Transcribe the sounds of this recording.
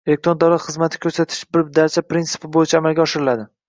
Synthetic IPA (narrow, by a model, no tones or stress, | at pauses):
elek̚t̪ɾond̪awlat̪χɨzmat̪ʰɪ̥kʲʰɵɾsat̪ʰɪ̥ʃbɪɾd̪aɾt͡ʃʰapɾintsɪ̥pʰɪbojɪt͡ʃʰaːmalɡʲaɒʃɪɾɪlad̪ɪ